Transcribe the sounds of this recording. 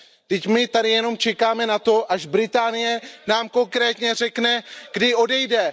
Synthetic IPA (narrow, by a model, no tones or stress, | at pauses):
d̪̥ɪcmɪt̪adɪjɛno̞mt͡ʃɛkaːmɛnat̪o̞ʔaʒbɾɪt̪aːnɪjɛnaːmko̞ŋkɾɛːt̪ɲɛr̝ɛknɛɡdɪo̞dɛjdɛ